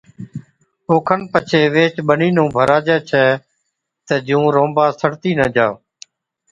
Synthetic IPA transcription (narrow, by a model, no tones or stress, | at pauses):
oːkʰənpət͡ʃʰeːʋeːt͡ʃɓəniːnõːbʱəɾaːd͡ʒɛːt͡ʃʰɛː | t̪əd͡ʒũːɾõːmbaːsəɽt̪iːnəd͡ʒaː